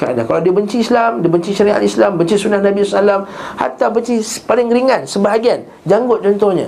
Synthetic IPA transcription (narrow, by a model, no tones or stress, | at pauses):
kaa̰da̰kalawdiəbəɲt͡ʃiːslamdiəbəɲt͡ʃiʃaɾia̰t̪islambəɲt͡ʃisunahnãbisɔsalamha̰rt̪abəɲt͡ʃispalɪŋɾiŋãnsəbaɦaɡian | d͡ʒaŋɡʊt̪̚t͡ʃɔnt̪ɔhɲa̰